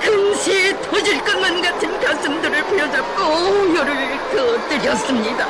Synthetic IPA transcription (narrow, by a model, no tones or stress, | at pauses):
kʰɯnɕʰitʰod͡ʑiɭk͈ʌnmanɡatʰɯnkas͈ɯmdɯɾɯɭpʰejʌd͡ʑak͈ojoɾɯɭ | kɯt͈ɯɾjʌs͈ɯmɲida